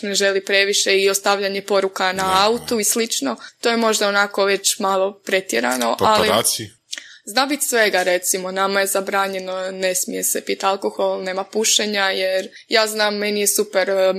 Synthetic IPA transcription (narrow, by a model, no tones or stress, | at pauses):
ne̞ʒe̞lipɾe̞ʋiʃe̞iost̪aʋʎaɲepo̞ɾukanaaut̪uislit͡ʃnot̪ojemo̞ʒd̪aonako̞ʋe̞t͡ɕmaːlˠo̞pɾe̞t̪jeɾa̰no̞ʔaliasi | znaːbit̪sʋe̞ɡaɾe̞t̪simo̞namaje̞zabɾaːɲe̞none̞smije̞sepit̪alˠko̞xo̞lˠne̞ːmapuʃeɲajeɾ | jaːznaːmːe̞nije̞supeɾ